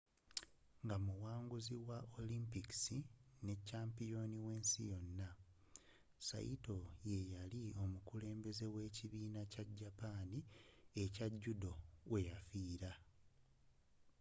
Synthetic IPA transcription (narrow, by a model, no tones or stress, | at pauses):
ŋɡamuwaːŋɡuziwaʔolimpiki̥sine̞cːaːmpijo̞niwe̞ːnsḭjo̞nːa | sa̰jḭto̞je̞jalio̞mukule̞ːmbe̞ze̞we̞ːciβiːnacaɟːapaːniecaɟːudo̞wʔe̞jafiːɾa